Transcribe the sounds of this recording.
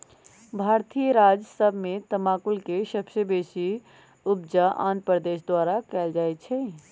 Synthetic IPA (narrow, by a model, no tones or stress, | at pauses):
bʱaːɾt̪ijəɾaːd͡ʒsəbʱmẽt̪əmaːkʊlkeʃəpʃəbeːʃi | ʊbd͡ʒaʔã̰ːnt̪̚pɾd̪eːʃd̪waːɾakɛːld͡ʒaːet͡ʃʰɛ